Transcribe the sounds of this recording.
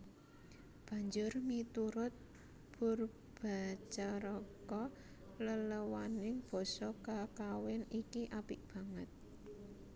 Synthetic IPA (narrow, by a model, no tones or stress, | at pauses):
b̥a̤ɲd͡ʒʊrmit̪uɾʊt̪̚ | b̥ʊr | b̥a̤t͡ʃaɾɔkɔ | lələwanɪŋb̥ɔ̤sɔkakawɛnikiʔapɪk̚b̥ä̤ŋət̪̚